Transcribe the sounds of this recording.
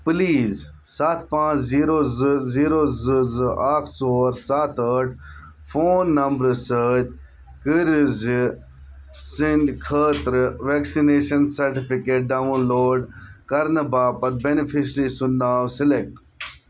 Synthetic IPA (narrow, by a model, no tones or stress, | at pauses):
pliːz | saːt̪ʰpãːt͡ʃziːɾozziːɾoːzɨzɨʔaːkʰsoːɾsaːt̪ʰəʈʰ | fʰoːnːɐmbɾsəːt̪̚ʲ | kiɾzi | sind̪kʰəːt̪ɾʋeːksineːʃɐnsɐɾʈipikeːʈ̚ɖaʋũnloːɖkɐɾnɐbaːpɐt̪benipʰiʃɾisʊnːaːwsilek̚ʈ